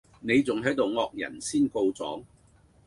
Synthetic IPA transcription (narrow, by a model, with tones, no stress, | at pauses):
ne˨˧jt͡sʊ˨ŋɦɐ˨˥jt̪o˨wŋɔː˨˧k̚jɐ̰˨˩nsiː˥nko˧wt͡sɔ̰ː˨˥ŋ